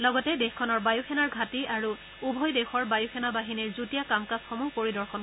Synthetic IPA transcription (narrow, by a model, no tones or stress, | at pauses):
lɔɡɔtɛdexkʰɔnɔɹbajuxʰɛnaɹɡʱatiʔaɹu | ubʱɔjdexɔɹbajuxʰɛnabaɦiniɹzutijakamkasxɔmupoɹidɔɹxɔn